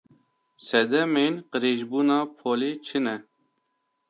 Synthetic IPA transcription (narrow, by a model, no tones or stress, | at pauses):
sɛd̪ɛmeːnqəɾeːʒbuːnɑːpʰoːleːt͡ʃʰɨnɛ